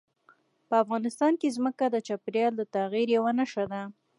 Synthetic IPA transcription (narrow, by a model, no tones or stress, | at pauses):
pəafɣɑnɪst̪ɑnkezməkad̪ət͡ʃapɾjɑld̪ət̪aɣiɾjawanaʃad̪a